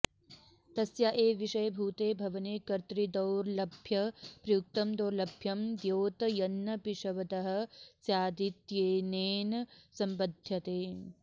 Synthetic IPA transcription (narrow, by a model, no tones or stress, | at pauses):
t̪ɐsjɐʔeːʋiʃɐjɐbʱuːt̪eːbʱɐʋɐneːkɐɾt̪ɾid̪ɐwɾlɐbʱjɐpɾɐjuk̚t̪ɐmd̪oːɾlɐbʱjɐmd̪joːt̪ɐjɐnːɐpiʂɐʋɐt̪ɐɦɐ̆sjaːd̪it̪jeːneːnɐsɐmpɐd̪ʱjɐt̪eː